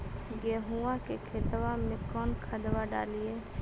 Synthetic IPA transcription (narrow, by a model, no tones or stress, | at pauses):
ɡeːɦuãkekʰeːt̪ʋamẽkɔːnkʰəd̪ʋaɖa̰ːlijeː